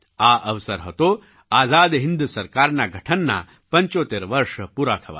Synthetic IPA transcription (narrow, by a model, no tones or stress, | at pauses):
aːʔɐʋsɐɾɦɐt̪oː | aːzaːd̪ɦind̪usɐɾkaːɾnaɡʱɐʈʰɐnːa̰ | pɐɲt͡ʃoːt̪eːɾʋɐɾʂɐpuːɾaːkʰɐʋa̰ː